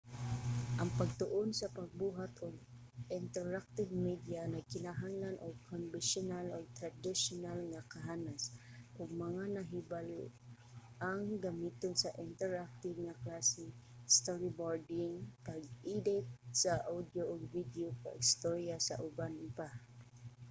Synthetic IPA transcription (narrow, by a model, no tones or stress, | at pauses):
ʔɐŋpɐɡ̚t̪ʊʔonsɐpɐɡ̚buːɦat̪oɡ̚ | ʔɪnt̪ɛɹak̚t̪ɪvmid̪janɐkɪnaɦaŋlanʔoɡ̚kʰonbɪnʃʊnalʔoɡ̚t̪ɾad̪ɪʃonalŋakɐɦaːnasʔʊɡ̚mɐŋanɐɦɪbalo | ʔaŋɡɐmiːt̪onsɐʔɪnt̪ɛɹak̚t̪ɪvŋɐklasɪ | st̪oɹɪboɹd̪ɪŋpɐɡid̪ɪt̪̚saʔawd̪joʔoɡ̚vid̪joka̰ʔɪst̪oɾjasɐ̰ʔʊbanpa